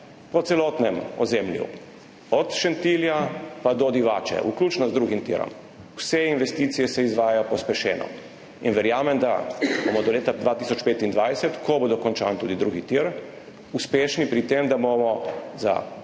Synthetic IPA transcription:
pɔt̪sɛlɔt̪nɛmɔ̰zeːmljṵ | ɔt̪ʃɛnt̪iljapad̪ɔd̪iʋaːt͡ʃɛ̰ʔuklʲuːt͡ʃnɔzd̪ɾuɡimt̪ḭɾɔ̰m | wsɛinʋɛst̪iːt̪sijɛsɛizʋaːjajɔpɔspɛʃɛ̰ːnɔ̰ | inʋɛɾjaːmɛnd̪a̰bomɔd̪ɔleːt̪ad̪ʋaːt̪iːsɔt͡ʃpeːt̪ind̪ʋajsɛt̪kɔboːd̪ɔkɔnt͡ʃa̰ːnt̪uːd̪id̪ɾuːɡit̪iɾ | uspeːʃnipɾit̪emd̪abomɔza̰

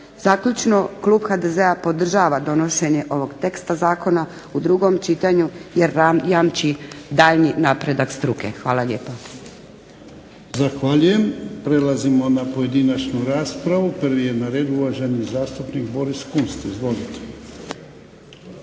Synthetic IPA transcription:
z̥aːkʎut͡ʃnoklˠuːbxad̪ezeapo̞d̪r̩ʒaːʋad̪o̞noʃe̞ɲe̞ʔo̞ʋo̞ɡt̪e̞kst̪azaːko̞na | ud̪ɾuɡo̞mt͡ʃit̪aɲujeɾajamt͡ʃid̪aːʎninaːpɾe̞d̪akst̪ɾuke̞̰xʋaːlaʎe̞ːpo | zaxʋaːʎuje̞mpɾe̞lazimo̞napoje̞d̪inat͡ʃnuɾaːspɾaʋupər̩ʋijenaɾe̞ːd̪uʋaʒe̞nizaːst̪upnik̚bo̞ɾiskunst̪izʋo̞lit̪e

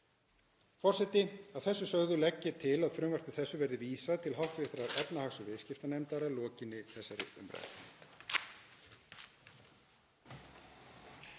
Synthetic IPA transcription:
fɔr̥sɛt̪ɪaðθɛsːʏsœɣðʏlɛcːɪt̪ʰɪlaðfɾʏːmvar̥k̪ɪθɛsːʏvɛɾðɪviːsaðt̪ʰɪlɦawht̪vɪ̥θɾaɾɛpnahaxsʏvɪðscɪft̪anɛjmt̪aɾalɔːcɪnːɪθɛsːaɾɪ̰ʏ̰mɾa̰t̪

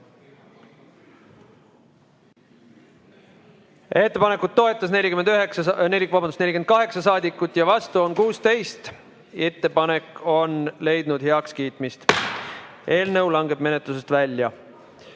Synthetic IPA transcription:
e̞t̪ːe̞pɑne̞kːut̪̚ːo̞e̞t̪ːˑɑs̬ne̞lʲikymend̪yɦeksne̞lʲːikvɑbɑnd̪usnelʲik̟enkɑɦe̞ksɑsɑːd̪ikːˑut̪ːˑjɑvɑst̪uo̞nkuːst̪e̞jst̪ | e̞t̪ːe̞pɑne̞kːo̞nle̞jd̪nud̪̥he̞ɑkskiːt̪ˑmist̪ | e̞ːlnɤwlɑŋɡe̞b̥me̞ne̞t̪ˑlus̬e̞st̪vælʲjɑ

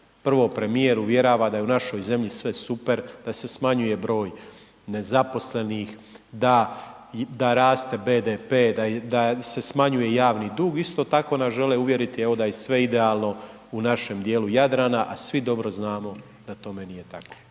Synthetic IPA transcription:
pr̩ʋo̞pɾe̞mijeɾuʋje̞ɾaʋad̪ajeunaʃo̞jze̞mʎisʋe̞supe̞ɾd̪̥ase̞smaɲuje̞bɾo̞ːj | ne̞zapo̞sle̞niːx | d̪a | d̪aɾaːst̪e̞be̞ːd̪epe̞ːd̪ad̪ase̞smaɲuje̞jaːʋnid̪uːɡist̪o̞ːt̪ako̞naʒe̞leuʋje̞ɾit̪ie̞ʋo̞d̪ajesʋe̞id̪e̞aːlˠno̞ | unaʃe̞md̪je̞ːlujad̪ɾaːnaʔasʋid̪o̞bɾo̞znaːmo̞ | d̪̥at̪o̞menije̞t̪ako̥

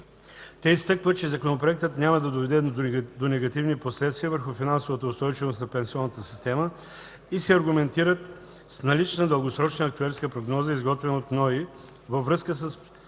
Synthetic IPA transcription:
t̪ɛist̪ɤkvət͡ʃɛzɐkonɐpɾoɛk̚t̪ət̪nʲaməd̪ɐd̪ovɛd̪ɛd̪onɛɡɐt̪ivniposlɛt̪st̪viəvəɾxufinansovət̪əʊst̪ɔjt͡ʃivost̪nɐpɛnsiɔnːət̪əsi̥st̪ɛmə | isɛɐɾɡʊmɛnt̪iɾət̪ | snɐlit͡ʃnəd̪əlˠɡosɾɔt͡ʃnəːkt̪uɛɾskəpɾoɡnɔzəizɡɔt̪vɛnot̪nɔi | vəvɾɤskəs̬əs

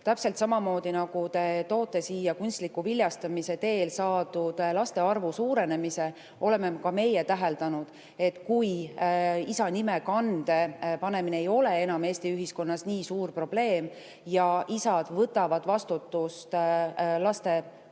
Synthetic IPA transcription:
t̪æpselt̪sɑmɑmo̞ːd̪̥inɑɡ̥ut̪e̞t̪o̞ːt̪ːˑe̞siːjɑkunʲst̪likːuvilʲjɑst̪ɑmise̞t̪e̞ːlsɑːd̪ud̪̥lɑst̪e̞ɑrvusuːɾe̞ne̞mise̞ | ʔo̞le̞mːekɑme̞jet̪æɦe̞ld̪ɑnud̪̥ | e̞t̪ːkuj | isɑnime̞kɑnd̪̥e̞pɑne̞mineejo̞lee̞nɑme̞ːst̪iyɦisko̞nːɑsniːsuːrpro̞b̥le̞ːm | jɑʔisɑd̪̥vɤt̪ːˑɑvɑd̪vɑst̪ut̪ːˑust̪lɑst̪e̞

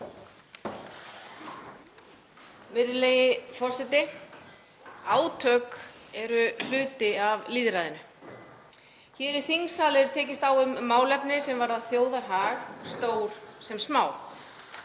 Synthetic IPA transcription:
mɪðɪlejɪfɔrsɛt̪ɪ | aːwt̪ʰœkɛɾʏl̥ʏːt̪ɪavliːðɾaːðɪnʏ | çɛːɾɪɾ̥θiŋsaːlɪɾʏɾt̪ʰɛːcɪst̪awʏmːaːwlɛpnɪsɛmvaɾðaðθjoːwðaɾ̥ɦaːɣst̪oːwɾ̥sɛmsmaːw

